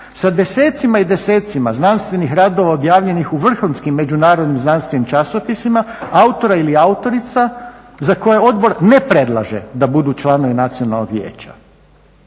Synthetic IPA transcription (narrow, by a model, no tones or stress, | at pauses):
sad̪eseːt̪simaid̪e̞se̞ːt̪simaznanst̪ʋe̞nixɾaːd̪o̞ʋaobjaːʋʎe̞nixuʋr̩xunskimːe̞d͡ʒunaːɾod̪nimznanst̪ʋe̞nimt͡ʃaso̞pisima | aut̪o̞ɾailiaut̪o̞ɾit̪sa | zako̞jeo̞d̪bo̞ɾne̞pɾe̞d̪lˠa̰ʒḛd̪abud̪ut͡ʃlˠano̞ʋinat̪sio̞nalˠnoɡʋjḛːt͡ʃa̰